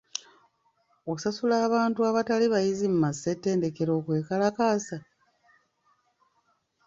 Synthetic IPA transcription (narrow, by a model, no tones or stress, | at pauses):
oku̥sasulaːβaːntuaβataliβajizimumasːetːe̞ːnde̞ke̞ɾo̞ːkwe̞ːkalakaːsa